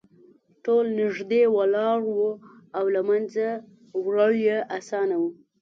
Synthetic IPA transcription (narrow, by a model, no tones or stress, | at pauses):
ʈolnɪʐd̪ewalɑɽwu | awlamanza | wɾaɭjeʔasɑnawu